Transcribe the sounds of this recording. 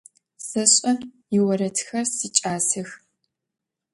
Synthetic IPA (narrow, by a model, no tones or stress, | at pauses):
sɐɕʼɐ | jɪwɐɾɐtʰxɐrsit͡ʃʼaːsɨx